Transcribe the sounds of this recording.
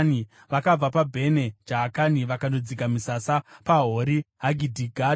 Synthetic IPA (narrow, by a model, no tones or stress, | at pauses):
ni | ʋakab͡vapabʱe̞ne̞d͡ʒaːkaniʋakandod͡zikamisasapaɦoɾiɦaɡʱidʱiɡʱa